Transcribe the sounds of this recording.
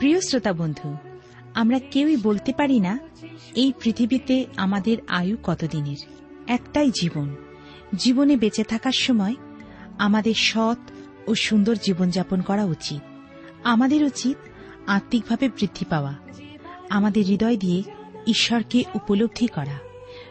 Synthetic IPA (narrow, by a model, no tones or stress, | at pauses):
pɾijosɾot̪abond̪ʱu | amɾakewibolt̪epaɾinaejpɾit̪ʰibit̪eamad̪eɾajukɔt̪od̪ineɾ | ɛkʈajd͡ʑibon | d͡ʑibonebet͡ɕet̪ʰakaɾʃɔmɔe | amad̪eɾʃɔt̪ | oʃund̪oɾd͡ʑibond͡ʑaponkɔɾaut͡ɕit̪̚ | amad̪eɾut͡ɕit̪̚ | ãɾt̪ːik̚bʱabebɾid̪ʱːipaoa | amad̪eɾːid̪ɔed̪ijeiʃːɔɾkeʔupolob̚d̪ʱikɔɾa